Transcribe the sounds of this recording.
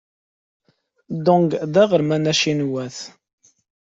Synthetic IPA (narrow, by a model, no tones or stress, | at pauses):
d̪ʊŋɡðæʁəɾmænæʃinwæθ